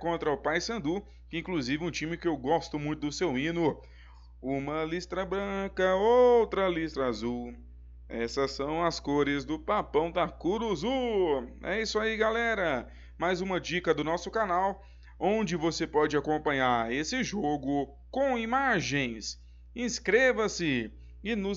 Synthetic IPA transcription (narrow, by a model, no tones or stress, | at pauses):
kõnt̪ɾɐʊpajsɐ̃nd̪u | kɪĩŋkluzivɪũt͡ʃĩmɪkɪewɡɔst̪ʊmũj̃t̪ʊd̪ʊsewĩnʊ | ũmɐlist̪ɾɐbɾɐ̃kɐowt̪ɾɐlist̪ɾɐazuw | ɛ̰sɐsɐ̃w̃ɐskoɾɪzd̪ʊpapɐ̃w̃d̪akuɾuzu | ɛ̰isʊaiɡalɛɾɐ | majzũmɐd͡ʒikɐd̪ʊnɔsʊkanaw | õd͡ʒɪvosepɔd͡ʒɪakõpɐ̃ɲaɾesɪʒoɡʊ | kõw̃imaʒẽj̃s | ĩskɾevɐsɪ | ɪnʊ